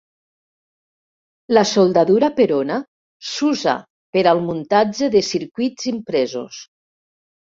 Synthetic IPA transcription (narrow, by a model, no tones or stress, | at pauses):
lasolˠd̪aðuɾapeɾona | suza̰ | peɾalˠmunt̪ad͡ʒeðesiɾkwiz̥impɾɛzo̰s